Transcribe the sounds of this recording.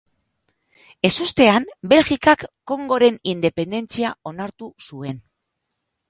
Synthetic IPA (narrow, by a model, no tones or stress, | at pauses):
e̞sust̪e̞ambe̞lɣikakːo̞ŋɡo̞ɾe̞nind̪e̞pe̞nd̪e̞nt͡siao̞naɾt̪usue̞n